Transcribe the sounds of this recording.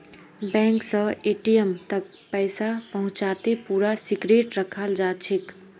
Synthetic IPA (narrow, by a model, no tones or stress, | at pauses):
bɛ̃ŋksə̃eʈijəmt̪ək̚ | pəɪsapəɦʊ̃t͡ʃat̪epuɾasiɡɾeʈɾəkʰəld͡ʒat͡ʃʰik